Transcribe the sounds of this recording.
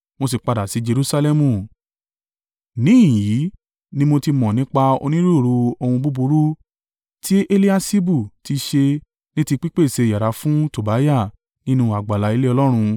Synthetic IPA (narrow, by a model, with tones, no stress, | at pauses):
mo˧s̬i˨k͡pa˧da˨si˨˦d͡ʒe˧ɾu˦sa˧lɛ˧mũ˨ | nĩ˨˦˨ji˨˦ | nĩ˦mo˧ti˧mɔ̃˨nĩ˦k͡pa˧o̰˧nĩ˦ɾu˦˨ɾu˧o˧hũ˧bu˦bu˧ɾu˦ | tʰi˦ʔe˧li˦a˧si˦bu˦˨ti˧ʃe˧ | nĩ˦ti˧k͡pi˦k͡pe˦˨se˨˧˨ja˨ɾa˨˦fũ˦to˨ba˨˦ja˦˨ | nĩ˦nũ˧a˨ɡ͡ba˨la˨˦i˧˦le˦ɔ˧lɔ˦ɾ̃ũ˧